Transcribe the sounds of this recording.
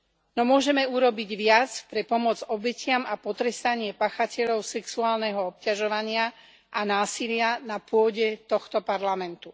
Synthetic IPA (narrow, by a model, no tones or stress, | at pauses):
nɔmʊɔʒɛmɛuɾɔbiɟʋɪat͡spɾɛpɔmʊɔd͡zɔbɛcɪamapɔt̪ɾɛst̪aɲɪɛpaːxacɛʎɔʊsɛksuaːlnɛɦɔɔp̚caʒɔʋaɲɪa | ʔanaːsilɪanapʊɔɟɛt̪ɔxt̪ɔpaɾlamɛnt̪u